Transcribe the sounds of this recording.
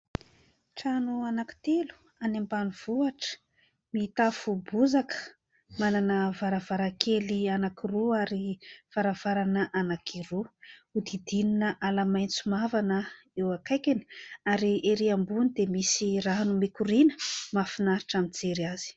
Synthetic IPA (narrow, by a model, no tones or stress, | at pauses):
ʈ͡ʂanuanaki̥t̪elu̥ | anembaniv̥uaʈ͡ʂə̥ | miːt̪afubuzakə̥ | mananəvaɾavaɾakʰelianakiruaɾiv̥aɾav̥aɾanəʔanakʰiruud̪id̪ininəʔalamajnt͡sumavanə | ewakajkʲeni̥aɾieɾiambunid̪emisiraɦanumikuɾinə̥mafinaɾiʈ͡ʂamind͡zeɾiaz̥i̥